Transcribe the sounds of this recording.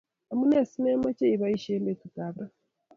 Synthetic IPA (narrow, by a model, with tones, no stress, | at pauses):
a˨mu˦ne˦˨si˦ne˦ma˦ce˦i˨βa˦i˦ʃe˦mbe˨tu˨ta˨βɾa˦